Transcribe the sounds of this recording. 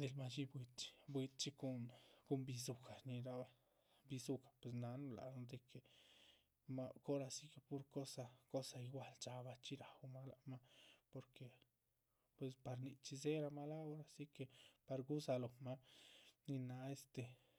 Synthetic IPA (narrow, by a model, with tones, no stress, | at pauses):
d̪e˧lma˧t͡ʃi˦bwi˧t̪t͡ʃi̥˧˦bwi˧t̪̚t͡ʃi˧ko˧nɡo˧mbi˧zu˧ka˨ni˧ɾa˦ | bi˧zu˧kḁ˨pwe˧s̬na˧nu˧la̰˨˧d̪e˧kʰe˨ | ma˦˧ko˦ɾa˧si˦ke˧pu˦ɾko˦sa˧ko˦sa˧i˧ɡʷa˧lt͡ʃa˧ba˧t͡ʃi˦ɾa˨wma˦la˧ma˦po˧ɾkʰe˨ | pwe˧spa˧ɾni˧t͡ʃi˧ze˦ɾa˧ma˦la˦o˦ɾa˧si˦ke˧pa˧ɾɡu˦sa˧lo˨ma˦ni˧na˧e˦st̪e˨